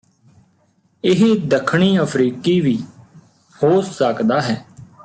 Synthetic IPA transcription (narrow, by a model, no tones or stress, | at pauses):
ɪɦed̪əkʰɳ̃iːəpʰɾiːkiːʋiː | hoːsəkd̪aːɦɛː